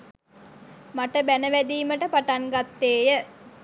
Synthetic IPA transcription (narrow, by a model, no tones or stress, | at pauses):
maʈəbænəʋæd̪iːməʈəpaʈaŋɡat̪ːeːjə